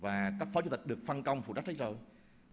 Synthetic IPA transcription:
vaː˨˩kaː˦˥k̚fɔ˨˦u˧˩t̪̟̚ɗɨ˨˩ək̚fa˧nkə˧wŋ͡mfṵ˧˩t͡ɕa˦˥k̚ɗə˨˦˥j̚zo˨˩j

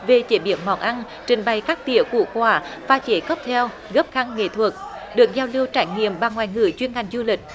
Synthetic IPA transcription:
ve˨˩t͡ɕe˧˨˦ɓḭ˧˩ənmɔ̰˧˨nʔa˧n | t͡ɕï˨˩ŋ̟ɓa˨˩jkaː˦˥k̚t̪ḭ˧˨əkṵ˧˥kwaː˧˩faː˧˩t͡ɕe˧˦ɣə˦˥p̚t̪ʰɛ˧w | ɣə˦˥p̚xa˧ŋŋḛ˧˨t̪ʰwə˨˩k̚ | ɗɨ˨˩ək̚zaː˧wli˧əwt͡ɕaː˧˩jŋḭ˧˨əmɓa˨˩ŋwaː˨˩jŋɨ̰˧˩jt͡ɕwi˧ənha˨˩jŋ̟zu˧lï˨˩k̚

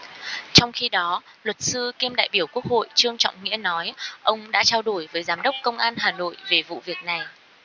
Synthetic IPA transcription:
t͡ɕɔ˧wŋ͡mxi˧ɗɔ˨˦ | lwə˨˩t̚sɨ˧ke˧mɗa̰ː˧˨jɓi˧˩əwku˦˥ək̚ho̰˧˨jt͡ɕɨ˧əŋt͡ɕɔ̰˧˨wŋ͡mŋḭ˧˥ənɔ˨˦jʔə˧wŋ͡mɗa̰ː˧˥t͡ɕaː˧wɗu˧˩jvəː˨˦jzaː˨˦mɗə˦˥wk͡p̚kə˧wŋ͡mʔaː˧nɦaː˨˩no̰˧˨jve˨˩vṵ˧˨vi˨˩ək̚na˨˩j

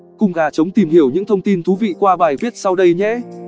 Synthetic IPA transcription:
kʊ˧˩ŋ͡mɣaː˨˩t͡ɕə˨˦wŋ͡mt̪i˨˩mhi˧˩əwɲɨ̰˧˥ŋt̪ʰə˧wŋ͡mt̪i˧nt̪ʰu˨˦vḭ˧˨kwaː˧ɓaː˨˩jvi˦˥t̚sa˧wɗə˧jɲɛ̰˧˥

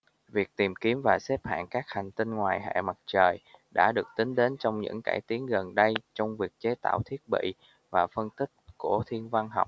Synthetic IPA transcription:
vi˨˩ək̚t̪i˨˩mki˨˦əmvaː˨˩sɛ˦˥p̚ha̰ː˧˨nkaː˦˥k̚ha˨˩ŋ̟t̪i˧nŋwaː˨˩jɦḛ˧˨ma˨˩t̚t͡ɕəː˨˩jɗa̰ː˧˥ɗɨ˨˩ək̚t̪ï˨˦ŋɗe˨˦nt͡ɕɔ˧wŋ͡mɲɨ̰˧˥ŋka̰ː˧˩jt̪i˨˦ənɣə˨˩nɗə˧jt͡ɕɔ˧wŋ͡mvi˨˩ək̚t͡ɕe˨˦t̪a̰ː˧˨wt̪ʰi˦˥ət̚ɓḭ˧˨ | vaː˨˩fə˧nt̪ï˦˥k̚ku˧˩ət̪ʰi˧ənva˧nɦa˨˩wk͡p̚

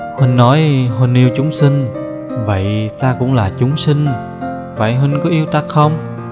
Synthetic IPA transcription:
hi˧˩nːɔ˨˦jɦə˧˩nʔi˧əwt͡ɕʊ˨˦ŋ͡msi˧ŋ̟ | və̰˧˨jt̪aː˧kʊ̰˧˥ŋ͡mlaː˨˩t͡ɕʊ˨˦ŋ͡msï˧ŋ̟ | va̰˧˨jɦi˧nkɔ˨˦ʔi˧əwt̪a˦˥k̚xə˧wŋ͡m

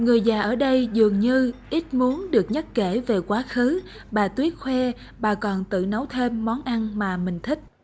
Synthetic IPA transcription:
ŋɨ˨˩əjzaː˨˩ʔəː˧˩ɗə˧jzɨ˨˩əŋɲɨ˧ʔi˦˥t̚mu˨˦ənɗɨ˨˩ək̚ɲə˦˥t̚ke˧˩ve˨˩kwaː˨˦xɨ˨˦ | ɓaː˨˩t̪wi˦˥ət̚xwɛ˧ | ɓaː˨˩kɔ˨˩nt̪ɨ̰˧˨nə˨˦wt̪ʰe˧mːɔ˨˦nʔa˧nmaː˨˩mï˨˩ŋ̟t̪ʰï˦˥k̟̚

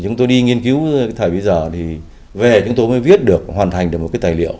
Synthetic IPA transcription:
t͡ɕʊ˨˦ŋ͡mt̪o˧jɗi˧ŋi˧ənki˨˦wt̪ʰaː˧˩jɓi˨˧˦jzəː˨˩t̪ʰi˨˩ | ve˨˩t͡ɕʊ˨˦ŋ͡mt̪o˧jməː˨˦vi˦˥ət̚ɗɨ˨˩ək̚hwaː˨˩nt̪ʰa˨˩jŋ̟ɗɨ˨˩kmo˨˩kaː˨˦jt̪aː˨˩lḭ˧˨əw

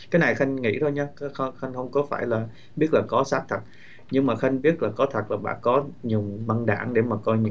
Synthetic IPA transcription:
kaː˨˦jna˨˩jxa˧jŋ̟ŋḭ˧˥t̪ʰo˧jɲa˨˦kːxxa˧jŋ̟hə˧wŋ͡mkɔ˨˦faː˧˩jlaː˨˩ | ɓi˦˥ət̚laː˨˩kɔ˨˦saː˦˥k̚t̪ʰə˨˩t̚ | ɲɨ˧ŋmaː˨˩xa˧jŋ̟ɓi˦˥ət̚laː˨˩kɔ˨˦t̪ʰə˨˩t̚laː˨˩ɓa̰ː˧˨nkɔ˨˦ɲʊ˨˩ŋ͡mma˧nɗa̰ː˧˩ŋɗe˧˩maː˨˩kɔ˧jɲɨ̰˧

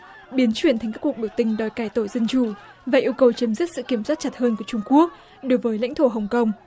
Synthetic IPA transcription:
ɓi˨˦ənt͡ɕwi˧ənt̪a˨jŋ̟kːaː˦˥ku˨˩k̚ɓi˧˩əwt̪ï˧˩ŋ̟ɗɔ˨˩jkaː˧˩jt̪o˧˩jzə˧nt͡ɕu˧˩ | vaː˨˩ʔi˧əwkə˨˩wt͡ɕə˨˦mzi˦˥t̚sɨ̰˧˨ki˧˩əmswaː˦˥t̚t͡ɕa˨˩t̚həː˧nku˧˩t͡ɕʊ˧ŋ͡mku˦˥ək̚ | ɗo˨˦jvəː˨˦jla̰˧˥jŋ̟t̪ʰo˧˩ɦə˨˩wŋ͡mkə˧wŋ͡m

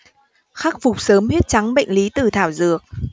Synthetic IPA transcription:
xa˦˥k̚fʊ˨˩k͡p̚səː˨˦mhi˦˥t̚t͡ɕa˨˦ŋɓə̰˧˨jŋ̟li˨˦t̪ɨ˨˩t̪ʰaː˧˩wzɨ̰˨˩ək̚

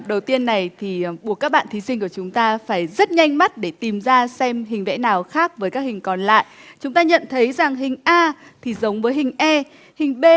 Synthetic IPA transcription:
ɗə˨˩wt̪i˧ənːa˨˩jt̪ʰi˨˩ɓu˧˩əkaː˦˥k̚ɓa̰ː˧˨nt̪i˨˦sï˧ŋ̟ku˧˩ət͡ɕʊ˨˦ŋ͡mt̪aː˧faː˧˩jzə˦˥t̚ɲa˧jŋ̟ma˦˥t̚ɗe˧˩t̪i˨˩mzaː˧sɛ˧mɦï˨˩ŋ̟vɛ̰˧˥naː˨˩wxaː˦˥k̚vəː˨˦jkaː˦˥k̚hï˨˩ŋ̟kɔ˨˩nla̰ː˧˨jʔt͡ɕʊ˨˦ŋ͡mt̪aː˧ɲə̰˧˨nt̪ʰə˨˦jza˨˩ŋɦï˨˩ŋ̟ʔaː˧t̪ʰi˨˩zə˨˦wŋ͡mvəː˨˦jɦï˨˩ŋ̟ʔɛ˧ | hï˨˩ŋ̟ɓe˧

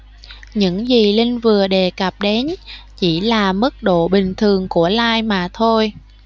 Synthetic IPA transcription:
ɲɨ̰˧˥ŋzi˨˩li˧ŋ̟vɨ˨˩əɗe˨˩kə˨˩p̚ɗe˨˦nt͡ɕi˧˩laː˨˩mɨ˦˥k̚ɗo̰˧˨ɓï˨˩ŋ̟t̪ʰɨ˨˩əŋku˧˩əlaː˧jmaː˨˩t̪ʰo˧j

